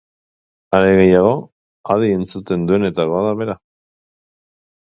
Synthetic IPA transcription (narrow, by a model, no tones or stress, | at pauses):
aɾe̞ɣe̞jaɣ̞o̞ | aðie̞nt͡sut̪e̞nd̪ue̞ne̞t̪aɣoaðaβe̞ɾa